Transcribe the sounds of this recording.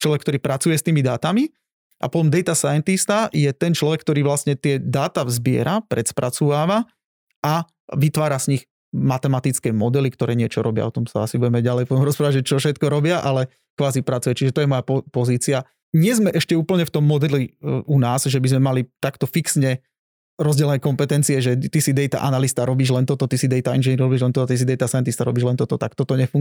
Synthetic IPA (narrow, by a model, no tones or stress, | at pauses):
t͡ʃlɔʋɛkt̪ɔɾiːpɾʔat͡sujɛst̪iːmid̪aːt̪ami | ʔa̰pɔt̪ɔmd̪ɛjt̪asajɛnt̪ist̪ajɛt̪ɛnt͡ʃlɔʋɛk̚ːt̪ɔɾiːʋlastɲɛt̪ɪɛd̪aːt̪avzbɪɛ̰ɾʔapɾɛt̪spɾʔa̰t͡suːʋaːʋa | ʔa | ʋit̪ʋaːɾazɲix | mat̪ɛmat̪it͡skɛːmɔd̪ɛlikt̪ɔɾɛːɲɪɛt͡ʃɔɾɔbɪa̰ɔt̪ɔmsa̰asibuɟɛmɛɟalɛjpɔt̪ɔmɾɔspɾaːʋaʒɛt͡ʃɔfʃɛt̪kɔɾɔbɪaʔalɛ | kʋaːzipɾat͡sujɛt͡ʃiʒɛt̪ɔjɛmɔjapɔpɔziːt͡sia | ɲɪɛzmɛʔɛʃcɛuːpl̩ɲɛft̪ɔmːɔd̪ɛliunaːzʒɛbizmɛmalit̪akt̪ɔfiksɲɛ | ɾɔzɟɛlɛnɛːkɔmpɛt̪ɛnt͡siɛʒɛt̪isid̪ɛjt̪a̰ʔa̰nalist̪aɾɔbiːʒlɛnt̪ɔt̪ɔt̪isid̪ɛjt̪ainʒɛnɲiɾɾɔbiːʒlɛnt̪ɔt̪ɔt̪is̬id̪ɛjt̪asajɛnt̪ist̪aɾɔbiːʒlɛnt̪ɔt̪ɔt̪akt̪ɔt̪ɔɲɛfuŋ